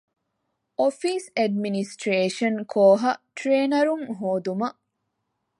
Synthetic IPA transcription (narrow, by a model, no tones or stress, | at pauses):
ʔofiːseɖminisʈɾeːʃɐnkʰoːɦɐʈɾeːnɐɾuŋɦoːd̪umɐʔ